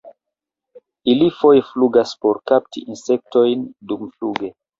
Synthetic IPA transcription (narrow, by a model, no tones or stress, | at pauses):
ilifo̞jefluɡaspo̞ɾkap̚tḭʔinse̞k̚tojndumfluɡe̞